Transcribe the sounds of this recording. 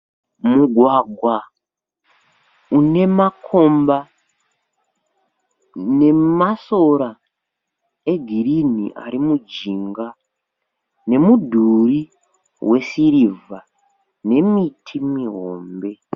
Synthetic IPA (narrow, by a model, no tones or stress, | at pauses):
muɡʱwaɡʱwa | une̞makʰo̞mba | ne̞maso̞ɾa | e̞ɡʱiɾinḭʔa̰ɾimud͡ʒiŋɡa | ne̞mudʱuri | wʔe̞siɾiva | ne̞mitʰimiɦo̞ːmbe̞